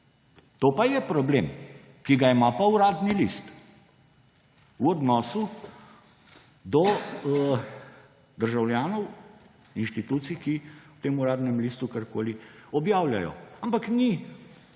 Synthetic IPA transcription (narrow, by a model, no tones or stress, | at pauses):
t̪oːpajɛpɾɔbleːm | kiɡaimapauɾaːd̪nilḭst̪ | wɔd̪nɔːsu | d̪ɔ | d̪əɾʒawljaːnɔw | inʃt̪it̪uːt̪sikiwt̪eːmuɾaːd̪nɛmlist̪ukaɾkoːliɔbjaːwlʲjajɔ̰ampakni